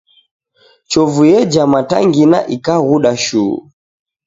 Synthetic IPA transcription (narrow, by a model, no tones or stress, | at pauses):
t͡ʃɔvujɛd͡ʒamata̰ŋɡina̰ʔikaɣuɗaʃuṵ